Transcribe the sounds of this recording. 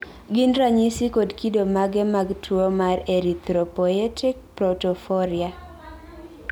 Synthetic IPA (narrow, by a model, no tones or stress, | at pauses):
ɡɪnɾaɲisikodkidomaɡɛmaɡtuomaɾeɾit̪ɾɔpɔɛtɪk̚pɾɔtɔfɔɾia